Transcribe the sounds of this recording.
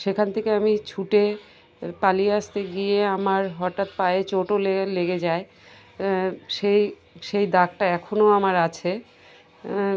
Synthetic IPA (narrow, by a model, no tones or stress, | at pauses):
ʃekʰant̪ʰekeamit͡ɕʰuʈe | palieast̪eɡijeamaɾɦɔʈat̪̚paeet͡ɕoʈoleleɡed͡ʑae | ʃej | ʃejd̪ak̚ʈaɛkʰonoamaɾat͡ɕʰe